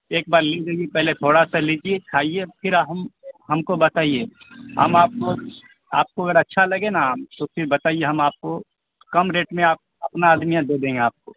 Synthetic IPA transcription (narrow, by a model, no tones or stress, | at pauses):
eːk̚baːɾlid̪eːɡipɛɦlet̪ʰoːɽasaliːd͡ʒiet͡ʃʰaːiepʰɪɾɦmɦɐmkobɐt̪aːie | ɦɐ̰maːp̚ko | a̰ːp̚koɐɡəɾɐtːʃʰalɐɡenaːmt̪opʰɪɾbɐt̪aːieɦɐmaːp̚ko | kɐmɾeːʈmẽaːp̚ | ɐpnaːd̪mijãd̪eːd̪ẽːŋɡeaːp̚ko